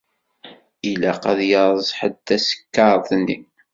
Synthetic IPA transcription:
ilæqæðjəɾˤzˤħəd̪ːæsə̥kːɑɾˤθnːḭ

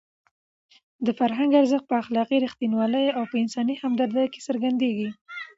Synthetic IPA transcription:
d̪əfaɾɦaŋɡaɾzəxt̪̚pəaxlɑqiɾixt̪inwɑləjawpəɪnsɑnihamd̪aɾd̪ajke̥səɾɡand̪eɡi

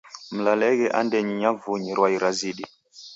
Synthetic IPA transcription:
m̩lalɛɣɛʔandɛɲiɲavuɲiɾwaiɾaziɗi

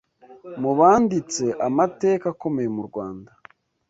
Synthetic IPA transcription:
muβaːndit͡se̞ʔamate̞ːkako̞me̞jemuɾɡwaːnda

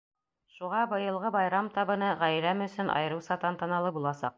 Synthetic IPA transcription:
ʃuʁɑbɤ̆jɤ̆lˠʁɤbɑjɾɑmt̪ɑβɤ̆nɤʁæjɾæmɵ̆sɵnʔɑ̰jɤ̆ɾɤwsɑt̪ɑnt̪ɑ̆nɑlˠɤbulˠɑsɑ̰q̚

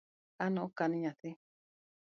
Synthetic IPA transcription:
anõʔõkanĩɲãt̪i

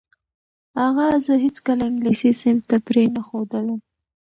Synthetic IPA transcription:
haɣazəɦɪt͡skəlaɪŋɡlisisɪmt̪apɾenaxod̪əlam

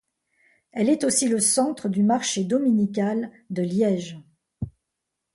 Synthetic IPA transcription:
ɛlɛt̪osiləsɑ̃t̪χəd̪ymaʁʃed̪ɔminikʲal | d̪əljɛʒ

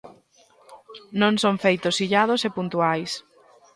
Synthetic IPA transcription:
nõŋsõɱfejt̪osːiʎað̞osepunt̪uajs

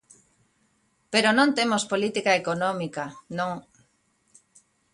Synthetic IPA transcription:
peɾonõnt̪emospolit̪ikaekonomikanõŋ

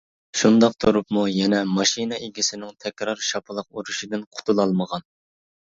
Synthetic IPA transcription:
ʃund̪ɑqt̪ʰuɾupmujɛnɛmɑʃinɨʔeɡʲisɪnɪŋt̪ʰɛkʲɾɑɾʃɑpʰɨlˠəq̚uɾuʃid̪ɪnqʰʊ̥t̪ʰulˠɑlˠməʁɑn

